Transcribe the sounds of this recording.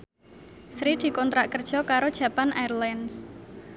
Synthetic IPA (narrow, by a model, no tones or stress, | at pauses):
sɾid̪̥i̤kɔnt̪ɾaʔkərd̥ʒ̥ɔ̤kaɾod̥ʒ̥ä̤panʔajrlans